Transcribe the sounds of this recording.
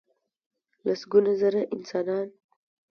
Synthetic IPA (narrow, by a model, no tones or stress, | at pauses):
lasɡunazaɾaʔɪnsɑnɑːn